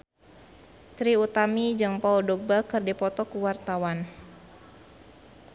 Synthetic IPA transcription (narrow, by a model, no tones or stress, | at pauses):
t̪ɾiut̪amid͡ʒɨŋpaudɔɡ̚bakɨrdipɔt̪ɔkuwart̪awan